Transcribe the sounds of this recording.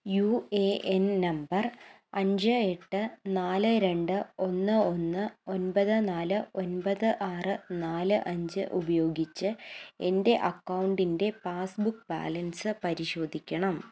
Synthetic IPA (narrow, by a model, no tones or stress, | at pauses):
jueʔennɐmbɐr | ɐɲd͡ʑɨe̞ʈːɨnaːlɨɾe̞ɳɖɨo̞nːɨo̞nːɨo̞nbɐðɨnaːlɨo̞nbɐðɨʔaːrɨnaːlɨʔɐɲd͡ʑɨʔubɐjo̞ːɡit͡ɕːɨe̞nde̞ʔɐkːɐwɳɖinde̞paːsbukːba̰ːlɐnsɨpɐɾiɕo̞ːd̪ʱikʲːɐɳɐm